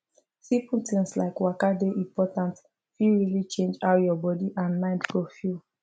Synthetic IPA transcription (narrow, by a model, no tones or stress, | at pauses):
sĩputĩŋsla̰ɪkwakadeʔĩmpɔtãnt | fiɹilit͡ʃẽnd͡ʒawjɔbɔdiʔãnmãɪ̃ndɡofjul